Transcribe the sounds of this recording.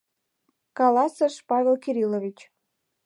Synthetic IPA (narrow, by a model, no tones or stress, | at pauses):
kɑlɑsəʃpɑvʲelkiɾilovit͡ɕ